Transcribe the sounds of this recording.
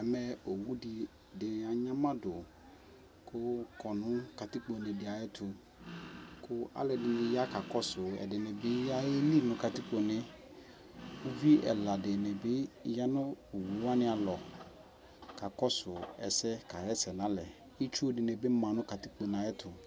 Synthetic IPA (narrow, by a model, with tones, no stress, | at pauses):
ɛ˨mɛ˨o˨wu˦di˨ | dɪ˨a˨ɲã˦mã˦dʊ˨ | kʰʊ˦kʰɔ˨nʊ̃˦ka˨tɪ˦k͡po˨nɪ̃˨dɪ˨a˨jɛ˦tʰʊ˨ | kʰʊ˦a̰˦lɛ˨dɪ˨nɪ̃˨ja˦ka˨kɔ˦sʊ˨ɛ̰˨dɪ˨nɪ̃˨bɪ˦ja˦ɛ˦li˦˨nʊ̃˨ka˨ti˦k͡po˨nɪ̃˦ | ʊ˦vi˦ɛ̰˨la˨dɪ˨nɪ̃˨bɪ˦ja˦nʊ̃˦o˨wu˨˦a˦nɪ̃˦a˨lɔ˨ | ka˨kɔ˦sʊ˨ɛ˨sɛ˦ka˨ɾɛ˦sɛ˨nã˨˦lɛ˨ | ɪ˦t͡ʃu˦dɪ˨nɪ̃˨bɪ˦mã˨nʊ̃˦ka˨ti˦k͡po˨nã˨ɛ˦tʰʊ˨